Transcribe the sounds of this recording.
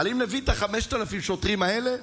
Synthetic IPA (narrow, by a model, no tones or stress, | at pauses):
alimlevit̪aχameʃt̪alafimʃot̪ʁimaele